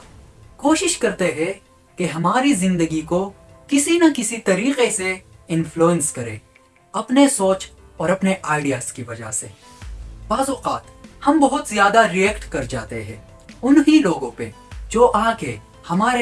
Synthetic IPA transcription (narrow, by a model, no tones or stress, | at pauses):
koːʃɪʃkɐɾt̪eɦɛ̃ | keɦɐmaːɾizɪ̃nd̪əɡiko | kɪsinɐkɪsit̪ɐɾiːqeseɪ̃nfluːə̃nskɐɾḛ̃ː | ɐpnesoːt͡ʃ | ɔːɾɐpneʔaːɪɖijaːskiʋɐd͡ʒa̰ɦsḛ | baːzɔːqaːt̪hɐmbɐɦʊt̪zjaːd̪aɾiɛːkʈkɐɾd͡ʒa̰ːt̪ḛɦɛ̰̃ː | ʊnɦiloːɡõpe | d͡ʒoːʔaːke | hɐmaːɾe